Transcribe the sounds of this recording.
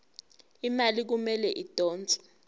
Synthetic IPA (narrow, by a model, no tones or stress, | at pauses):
imalik̬umɛlɛʔid̥ʱʼɔːnt͡sʼḁ